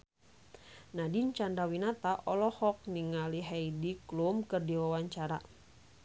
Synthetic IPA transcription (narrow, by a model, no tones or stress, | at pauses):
nadint͡ʃandawinat̪aʔɔlɔhɔk̚niŋaliɦaidiklumkɨrdiwawaɲt͡ʃaɾa̰